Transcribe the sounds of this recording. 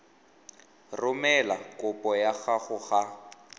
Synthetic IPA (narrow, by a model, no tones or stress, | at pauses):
rʊmɛlakʊpʼɔjaɣaɣʊɣa